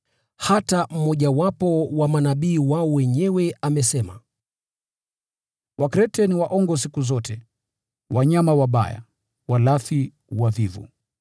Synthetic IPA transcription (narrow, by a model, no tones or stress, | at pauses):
hatam̩mɔʄawapɔwamanaɓiːwaɔwɛɲɛwɛamɛsɛma̰ | wakɾɛtɛniwaʔɔŋɡɔs̬ikuzɔtɛ | waɲamawaɓa̰ja̰ | walaθi | wavivṵ